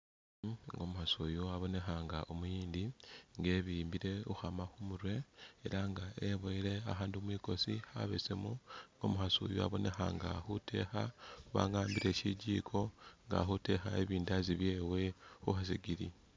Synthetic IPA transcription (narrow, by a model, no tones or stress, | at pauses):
ŋɡo̞muhasojoaβo̞ne̞xaŋɡaʔomujiːndiŋɡe̞ːβiːmbiɾe̞uxamaxumuɾwe̞eɾaŋɡaʔeβoiɾe̞aɦaːndiuomwiːko̞siha̰βḛsemuŋɡo̞̰muhaso̰ːjoa̰βo̞ne̞xa̰ŋɡa̰xutʰe̞̰xauβa̰ːŋɡaːmbiɾe̞ʃiɟiːkʰo̞ŋɡa̰xute̞xaeβiːndaziβje̞ːwe̞xuhas̬iɡiɾi